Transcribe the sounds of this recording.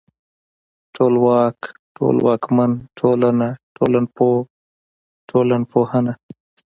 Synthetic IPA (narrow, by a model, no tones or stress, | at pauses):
ʈʰoːlwɑːkʈo̰lwɑːkmanʈʰolanaʈʰo̰ːlanpoː | ʈʰoːlanpoːhəna